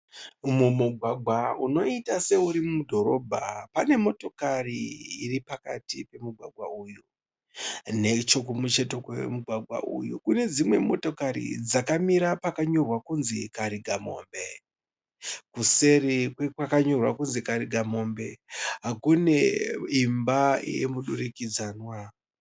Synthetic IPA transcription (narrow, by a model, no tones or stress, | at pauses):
mumuɡʱwaɡʱwauno̞itase̞uɾimudʱo̞ɾo̞bʱa̰pane̞mo̞to̞kariiripaka̰tipe̞muɡʱwaɡʱwauju | ne̞t͡ʃok̬umut͡ʃe̞to̞kwemuɡʱwaɡʱwa̰ʔṵjukune̞d͡zimwe̞mo̞to̞kaɾḭd͡zakamiɾapakaɲo̞rwakunzikaɾiɡʱamo̞̰mbe̞ | kuse̞ɾikwekwakaɲo̞rwa̰kunzikaɾiɡʱamo̞mbe̞ɦakune̞imbajḛmuɗurikid͡zaːnwa